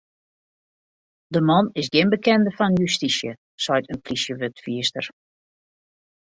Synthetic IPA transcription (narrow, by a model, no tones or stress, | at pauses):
dəmɔnɪsɡɪnbəkɛndəfɔnjystisjə | sɔjtənplisjəʋøtfiəstə̰r